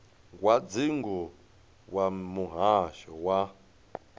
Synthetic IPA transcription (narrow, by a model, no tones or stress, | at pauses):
ɡwad͡ziŋɡɔ | wamuɦaʃɔwa